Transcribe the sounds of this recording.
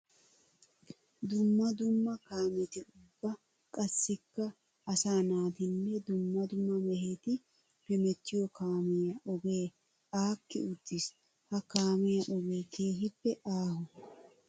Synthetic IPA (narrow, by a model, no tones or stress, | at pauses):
d̪ʊmːɐd̪ʊmːɐkaːmɛt̪ɪʊbːɐ | kʼɐsːɪkːɐ | ɐsaːnaːt̪ɪnːɛd̪ʊmːɐd̪ʊmːɐmɛheːt̪ɪ | pɛmɛt̪ːɪjɔkaːmɛjɐʔɔbeː | aːkːɪʊd̪̥ːɪs | hɐkaːmɛjɐʔɔɡeːke̞ːɦɪpːɛʔaːhʊ